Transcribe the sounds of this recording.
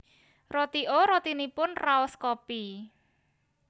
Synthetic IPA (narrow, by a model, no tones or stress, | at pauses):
rot̪iʔoɾɔt̪inipʊnraɔskɔpi